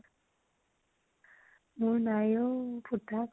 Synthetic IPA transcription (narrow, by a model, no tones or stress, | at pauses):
munajoputak